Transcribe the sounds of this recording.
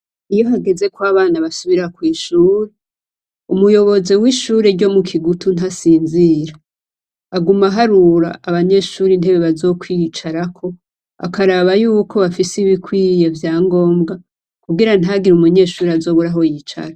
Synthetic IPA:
ijo̞ɦaɡe̞ze̞kwaːβaːnaβasuβiɾakwiːʃuːɾe | umujo̞βo̞ziwiːʃuːɾe̞ɾɟo̞mukʰiɡutʰun̥asiːnziɾaː | ɡumaɦaɾuɾa̰ːβaɲe̞ʃuːɾinde̞βeβazo̞kwit͡ʃaɾakʰo̞ | a̰kaɾaβajuːkʰo̞βafisiβikwiːjevjaːŋɡo̞ːmɡa | kuɡiɾan̥ɦaɡiɾumuɲe̞ːʃuːɾeazo̞ːβuɾaɦo̞jit͡ʃa̰ɾa

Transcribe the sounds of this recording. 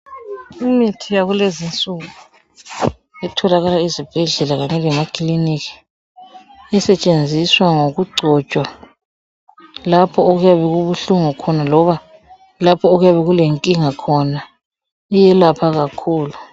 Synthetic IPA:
imitʰijaɣulezint͡sʼuɣu | ɛtʰɔlaɣalaizib̥ʱɛɮɛlaɣaɲɛlɛmakʰʼlinikʰi̥ | ɛsɛt͡ʃʼend͡zʱiswaŋoɣuɡ͡ǀʱɔt͡ʃʼwa | lapʰɔoɣujaβɛɣuβuɬuŋukʰɔnalɔβa | lapʰɔoɣujaβɛɣuleŋkʼiŋakʰɔna | ijɛlapʰaɣakʰuːlu

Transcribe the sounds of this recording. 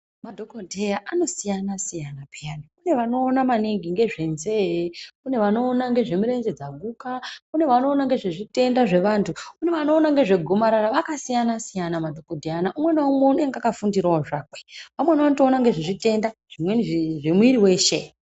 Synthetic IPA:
madʱokodʱejaʔano̞sijanasijanapeaniune̞ʋano̞ːnamaniŋɡiŋɡe̞ʐe̞nzeune̞ʋano̞ːnaŋɡe̞ʐe̞muɾe̞nzed͡zaɡʱukaune̞ʋano̞ːnaŋɡe̞ʐeʐite̞ndaʐe̞ʋantʰuune̞ʋano̞ːnaŋɡe̞ʐe̞ɡʱomaɾaɾaʋakasijanasijanamadʱo̞kodʱejanaʔumwe̞naumweune̞ŋɡakafundiɾaoʐaːkwe̥ʋamwenaʋanoto̞ːnaŋɡe̞ʐiʐite̞ndaʐ̥imweniʐʐemwiɾiwe̞ːʃe̞

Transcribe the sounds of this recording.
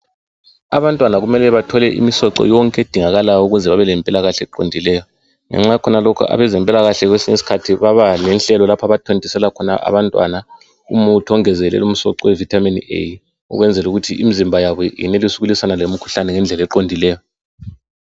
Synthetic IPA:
aβantʼwanaɣumɛlɛβatʰɔlɛʔḭmisɔǁɔ̰jɔŋkʼɛd̥ʱiŋaɣalajuɣuzɛβaβɛlɛmpʼilaɣaɬɛɛǃondʱilɛjɔ | ŋɛ̰ŋ͡ǁajɛkʰɔnalɔkʰṵa̰βɛzɛmpʼilaɣaɬɛɣwesiɲesi̥kʰatʰiβaβanɛnɬɛlɔlapʰaβatʰondʱisɛlakʰɔna̰ʔa̰βantʼwa̰na | ṵmutʰɔŋɛzɛlɛ̰lum̩sɔǁɔwɛvitʰaminḛj | ṵɣwɛnd͡zʱɛluɣutʰiʔimizimbʱajaβɔjḭnelisuɣulisanalom̩kʰu̥ɬanɛŋɛnd͡ɮʱɛlɛǃondʱilɛːjɔ

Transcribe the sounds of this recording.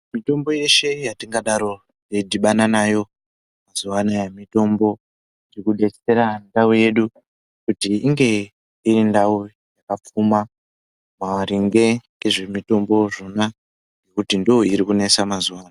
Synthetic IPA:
mito̞mbo̞je̞ʃe̞jatiŋɡaɗaɾo̞ | jediɓananajo̞ | mazuwanajemito̞mbo̞ | irikuɗe̞t͡se̞ɾandauje̞ɗu | kutiiŋɡe̞ | irindau | jakap͡fuma | maɾiŋɡe̞ | eʐe̞mito̞mbo̞ʐo̞na | ŋɡe̞kutindoiɾikune̞samazuwaːna

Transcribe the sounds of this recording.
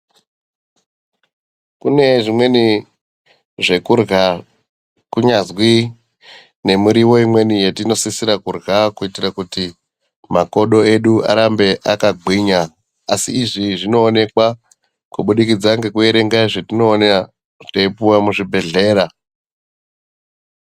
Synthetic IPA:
kune̞ʐimwe̞ni | ʐe̞kurɣa | kuɲazwi | ne̞muɾiwo̞imwe̞nijetino̞sisiɾakurɣakuitiɾakuti | mako̞ɗo̞e̞ɗua̰ɾambe̞ʔakaɡʱwiɲa | asḭːʐiʐino̞ːne̞kwa | kuɓuɗikid͡zaŋɡe̞kue̞ɾe̞ŋɡaiʐetino̞ːna | teipuwamuʐibʱe̞ɮe̞ːɾa

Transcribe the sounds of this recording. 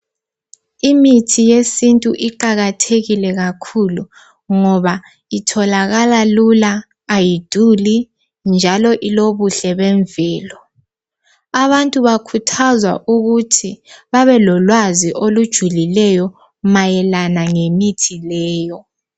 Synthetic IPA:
imitʰijesintʼuʔiǃaɣatʰeɣilɛɣakʰulu | ŋɔβa | itʰɔlaɣalalulaː | jid̥ʱuli | nd͡ʒʱalɔʔiloβuɬɛβɛɱvɛːlɔ | aβantʼuβakʰutʰazwa̰ʔuɣutʰiβaβɛlɔlwaziʔolud̥ʒ̥ʱulilɛjɔ | majɛlanaŋemitʰilɛːjɔ

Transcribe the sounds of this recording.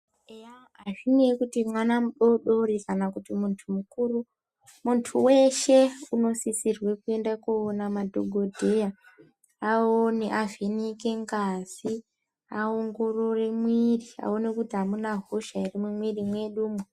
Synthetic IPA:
eja | aʐinekutimwanamuɗo̞ɗo̞rikanakutimuntʰumukuːru | muntʰuwe̞ʃe̞uno̞sisirwe̞kue̞ndakoːnamadʱo̞ɡʱo̞dʱe̞ja | aoniʔaveneke̞ŋɡaz̥i | aoŋɡo̞ro̞re̞mwiria̰o̞nekutiɦamunaɦoʃairimumwirimwe̞ɗuːmwe

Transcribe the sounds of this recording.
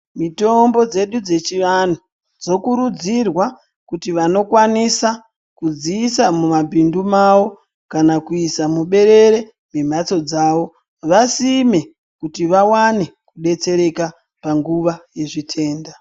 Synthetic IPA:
mito̞mbo̞d͡ze̞ɗud͡ze̞t͡ʃiʋan̤u | d͡zo̞kuɾud͡zirwa | kutiʋano̞kwanisa | kud͡ziːsamumabʱindumawo̞ | kanakuisamuɓe̞ɾe̞ɾe̞ | me̞m̤at͡so̞d͡zaːʋo̞ | ʋasime̞ | kutiʋawane̞kuɗe̞t͡se̞ɾe̞ka | paŋɡuʋaje̞ʐitʰe̞ːnda

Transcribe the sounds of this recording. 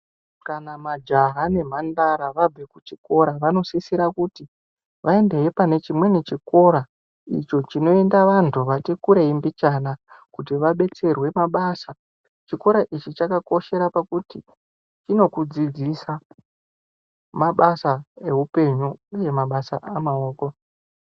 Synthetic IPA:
kanamad͡ʒaɦane̞m̤andaɾaʋab͡vekut͡ʃi̥ko̞ɾaʋano̞sisiɾakuti | ʋʔae̞nde̞epane̞t͡ʃimwe̞net͡ʃiko̞ɾa | ḭt͡ʃo̞t͡ʃino̞e̞ndaʋantʰuʋatikuɾeimbit͡ʃanakut̬iʋaɓe̞t͡se̞rwe̞maɓaːsa | t͡ʃiko̞ɾaʔit͡ʃit͡ʃakako̞ʃe̞ɾapakuti | t͡ʃino̞kud͡zid͡zisa | maɓasae̞ɦupe̞ɲuje̞maɓasa̰ʔamaoːko̞

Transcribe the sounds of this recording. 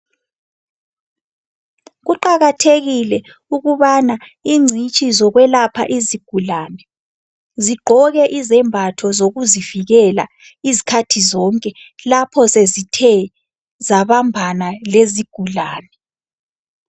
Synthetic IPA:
ɣuǃaɣatʰeɣilɛ | uɣuβanaiŋ͡ǀʱit͡ʃʼizɔɣwɛlapʰaʔiziɡ̥ʱulaːnɛ | ziɡ͡ǃʱɔɣɛʔizɛmbʱatʰɔzoɣuziviɣɛla̰ | izi̥kʰatʰizɔːŋkʼɛlapʰɔsezitʰɛ | zaβambʱanaleziɡ̥ʱulaːnɛ

